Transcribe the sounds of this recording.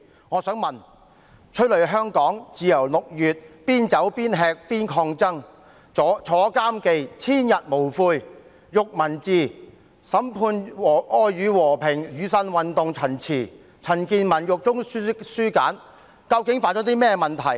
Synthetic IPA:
ŋɔː˨˧sœː˨˥ŋmɐ˨n | t͡ʃʰɵ˥t̚lɵ˨˩ɥɦœː˥ŋkɔː˨˥ŋt͡siː˨˧jɐ˨˩wlʊ˨k̚jyː˨t̚piː˥nt͡sɐ˨˥wpiː˥nɦɛː˧k̚piː˥nkʰɔː˧ŋt͡sɐ˥ŋ | ɔ˨˥t͡ʃʰɔː˨˥kaː˥mke˧jt͡sʰiː˥njɐ˨t̚mo˨˩wfuː˧j | jʊ˨k̚mɐ˨˩nt͡siː˨˧ | sɐ˨˥mpʰuː˧nwɔː˨˩ʔɔː˧jyː˨˧wɔː˨˩pʰɪ˨˩ŋjyː˨˧sɐ˧nwɐ˨nt̪ʊ˨ŋt͡sʰɐ˨˩nt͡sʰiː˨˩ | t͡sʰɐ˨˩nkiː˧nmɐ˨˩njʊ˨k̚t͡sʊ˥ŋ˥syː˥ka̰ː˨˥n | kɐ˧wkɪ˨˥ŋfaː˧˥nt͡ʃɔː˨˥t̪i˥mɛː˥mɐ˨nt̪ʰɐ˨˩j

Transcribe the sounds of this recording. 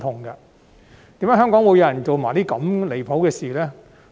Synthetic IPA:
t̪ʰʊ˨˩ŋɡɐ˧ | t̪iː˨˥mjaː˨˥ɦœː˥ŋkɔː˨˥ŋwu˨˧jɐ˧˥jɐ˨˩nt͡so˨wmaː˨˩t̪iː˥kɐ˨˧˥mle˨˩jpʰo˨˥wkɛː˧siː˨˩lɛː˥

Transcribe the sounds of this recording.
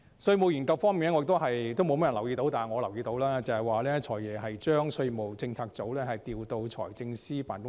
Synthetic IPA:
sɵ˧ɥmo˨wjiː˨˩nkɐ˧wfɔː˥ŋmiː˨nɛ˥ɔ˧˥˧kt̪o˥wɦɐ˨jt̪o˥wmo˧wm˥˨˩lɐ˨˩wjiː˧t̪o˨˥wt̪aː˨ŋɔː˨˧lɐ˨˩wjiː˧t̪o˨˧˥wlaː˥t͡sɐ˨hɐ˨jwaː˨lɛː˥t͡ʃʰɔː˨˩jɛː˨˩ɦɐ˨jt͡ʃœː˥ŋsɵ˧ɥmo˨wt͡sɪ˧ŋt͡sʰaː˧k̚t͡so˨˥wlɛː˥hɐ˨jt̪iː˨wt̪o˧wt͡ʃʰɔ̰ː˨˩jt͡sɪ˧ŋsiː˥paː˨˥nkʊ˥

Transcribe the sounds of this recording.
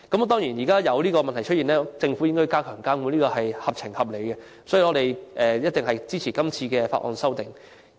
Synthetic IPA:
kɐ˨˥m˨t̪̬ɔː˥ŋjiː˨˩njiː˨kaː˥jɐ˨˧wliː˥kɔː˧mɐ˨nt̪ʰɐ˨˩jt͡ʃʰɵ˥t̚iː˨nlɛː˥t͡sɪ˧ŋfu˨˥jɪ˥ŋkɔ˥jkaː˥kʰœː˨˩ŋkaː˥muː˨˧˥nliː˥kɔː˧hɐ˨jhɐ˨p̚t͡sʰɪ˨˩ŋhɐ˨p̚le˨˧jkɛ˧ | sɔ˨˥jiː˨˧ɔ˨˧ɾe˨jʔɛː˨jɐ˥t̚t̪ɪ˨ŋɦɐ˨jt͡siː˥t͡sʰiː˨˩kɐ˥mt͡sʰiː˧kɛː˧fa̰˧˨ʔɔ̰ː˨nsɐ˥wt̪ɪ˨˩ŋ

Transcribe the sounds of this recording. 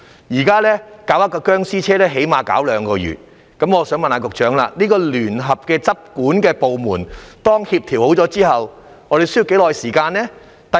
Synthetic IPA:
jiː˨˩kaː˥lɛː˥kaː˨˥wjɐ˥t̚kɔː˧kœː˥ŋsiː˥t͡sʰɛː˥lɛː˥ɦe˨˥jmaː˨ka̰ː˨˥wlœː˨˧˥ŋkɔː˧jy̰ː˨˩t̚ | kɐ˨˥mŋɔː˨˧sœː˨˥ŋmɐ˨nhaː˧kʊ˨k̚t͡ʃœː˨˥ŋlaː˧niː˥kɔː˧lyː˨˩nɦɐ˨p̚kɛː˧t͡sɐ˥p̚kuː˨˥nkɛː˧po˨wmuː˨˩nt̪ɔː˥ŋhiː˧p̚t̪ʰiː˨˩who˨˥wt͡sɔː˨˥t͡siː˥ɦɐ˨w | ŋɔː˨˧ɾe˨jsji˨˧wke˨˥jlɔː˨jsiː˨˩kaː˧nlɛː˥ | t̪ɐ˨

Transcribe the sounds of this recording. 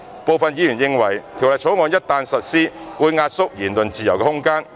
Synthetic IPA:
po˨˧wfɐ˨njiː˨˧jyː˨˩jɪ˧ŋwɐ˨˩jt̪ʰi˨˩wlɐ˨j̚t͡sʰo˨˥wŋɔː˨˧njɐ˥t̚t̪aː˧nsɐ˨t̚siː˥wuː˨˧jŋaː˧t̚sʊ˥k̚jiː˨˩nlɵ˨nt͡siː˨jɐ˨˩wkɛː˧hʊ˥ŋkaː˥n

